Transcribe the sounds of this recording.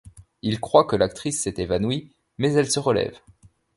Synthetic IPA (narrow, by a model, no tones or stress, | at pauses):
ilkχwakəlak̚t̪χisːɛt̪evanwi | mɛzɛlsəʁəlɛ̰v